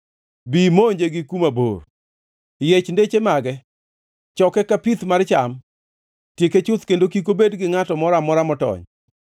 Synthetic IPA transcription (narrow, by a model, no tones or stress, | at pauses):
bimoɲd͡ʒeɡɪkumabo̰r | jet͡ʃndet͡ʃemaɡɛ | t͡ʃɔkɛkapit̪mart͡ʃam | tjeket͡ʃʊt̪kendokik̬obedɡɪŋatɔmɔɾamɔɾamɔtɔ̰ɲ